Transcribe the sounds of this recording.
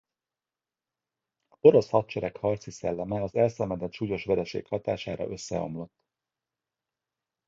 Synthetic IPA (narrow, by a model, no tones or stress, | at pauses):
o̞ɾo̞shɒt̪t͡ʃɛɾɛkhɒrt̪sisɛlːɛmɛɒzɛlsɛmɛd̪ɛt̪ʃuːjo̞ʃʋɛɾɛʃḛːkhɒt̪aːʃaːɾɒ̰ʔø̞sːɛ̰o̞̰mlo̞t̪ː